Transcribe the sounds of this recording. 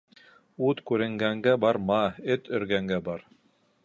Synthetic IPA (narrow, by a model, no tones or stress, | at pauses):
ut̪kʉɾɘ̆ŋɡæŋɡæbɑɾmɑɵt̪ɵ̆ɾɡæŋɡæbɑɾ